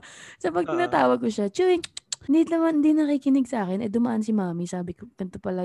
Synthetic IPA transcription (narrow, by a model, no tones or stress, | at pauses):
sɐpɐɡ̚t̪ɪnaːt̪aːwɐɡ̚koʃat͡ʃuɾɪd̪inɐmand̪inɐkiːkɪnɪɡ̚sɐʔaːkɛnɛd̪ʊmɐʔansɪmaːmisaːbɪkoɡɐnt̪opɐlɐ